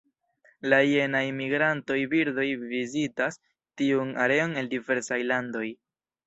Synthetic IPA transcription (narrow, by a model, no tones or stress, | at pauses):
laie̞najmiɡɾanto̞jbiɾdo̞jvizitas | tiuna̰ɾe̞o̞ne̞ldive̞ɾsajlando̞j